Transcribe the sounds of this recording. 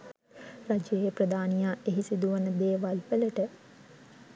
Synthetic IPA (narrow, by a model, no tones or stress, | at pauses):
rad͡ʒjejprəd̪aːnijaːʔeɦisid̪uʋənəd̪eːʋalpələʈə